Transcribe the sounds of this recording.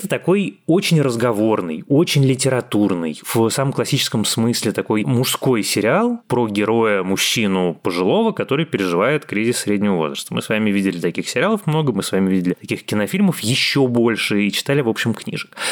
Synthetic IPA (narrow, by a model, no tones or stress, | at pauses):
ɛt̪ət̪ɐko̞jo̞t͡ɕɪnʲrəzɡɐvo̞rnɨjo̞t͡ɕɪnʲlʲɪtʲɪɾɐt̪urnɨ̰jv̥saməmklˠɐsʲit͡ɕɪ̥skəmsmɨsʲlʲɪt̪ɐko̞jmʊʂsko̞jsʲɪɾʲɪalˠpɾoɡʲɪɾo̞jəmʊɕːinʊpəʐɨlˠo̞vəkɐt̪o̞ɾɨjpʲɪɾʲɪʐɨvajɪt̪kɾʲizʲɪssʲːɾʲedʲnʲɪvəvo̞̰zrəst̪əmɨsvamʲɪvʲidʲɪlʲɪt̪ɐkʲixsʲɪɾʲɪalˠəfmno̞ɡəmɨsvamʲɪvidʲɪlʲɪt̪ɐkʲixkʲɪnɐfʲilʲməfjɪɕːobo̞lʲʂɨit͡ɕɪ̥t̪alʲɪvo̞pɕɪmknʲḭʐək